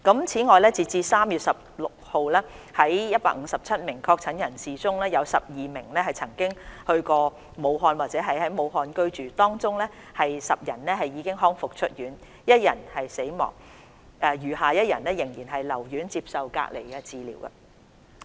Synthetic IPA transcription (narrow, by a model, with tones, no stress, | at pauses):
kɐ˨˥mt͡sʰiː˨˥ŋɔː˨˧jlɛː˥t͡siː˨˧t͡siː˧saː˥mjyː˨t̚sɐ˨p̚lʊ˨k̚ho˨˧wlɛː˥ | hɐ˨˥jjɐ˥t̚paː˧˥k̚ŋ̩˨˧sɐ˨p̚t͡sʰɐ˥t̚mɪ˨˩ŋkʰɔː˧k̚t͡sʰɐ˨˥njɐ˨˩nsiː˨t͡sʊ˥ŋlɛː˥jɐ˨˧wsɐ˨p̚jiː˨mɪ˨˩ŋlɛː˥ɦɐ˨jt͡sʰɐ˨˩ŋkɪ˥ŋhɵ˧ɥkɔː˧ | mo˨˧wɦɔː˧nwaː˨˩t̚t͡sɛː˨˥ɦɐ˨jhɐ˨˥jmo˨˧wɦɔː˧nkɵ˥ɥt͡ʃyː˨t̪ɔː˥ŋt͡sʊ˥ŋlɛː˥ | hɐ˨jsɐ˨p̚jɐ˨˩nlɛː˥ɦɐ˨˩jːiː˨˧kɪ˥ŋɦɔː˥ŋfʊ˨k̚t͡ʃʰɵ˥t̚jyː˨˥n | jɐ˥t̚jɐ̰˨˩nhɐ˨jse˨˥jmɔ̰ː˨˩ŋ | ʔɛː˨˧jyː˨˩haː˨jɐ˥t̚jɐ̰˨˩nlɛː˥jɪ˨˩ŋjiː˨˩nɦɐ˨jlɐ˨˩wjyː˨˥nt͡siː˧p̚sɐ˨wka̰ː˧k̚lḛ˨˩jɡɛ˧t͡siː˨˧lḭː˨˩wkɐ̰˧